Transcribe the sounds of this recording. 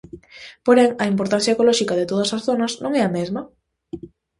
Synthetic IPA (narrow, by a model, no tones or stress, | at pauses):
poɾeŋɐimpoɾt̪an̟θjaekolɔʃikaðet̪oð̞ɐsasθonɐznõŋɛɐmezmɐ